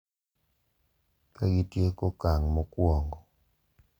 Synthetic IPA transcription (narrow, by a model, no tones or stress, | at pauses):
kaɡitjekɔkaŋmɔkwɔŋɡɔ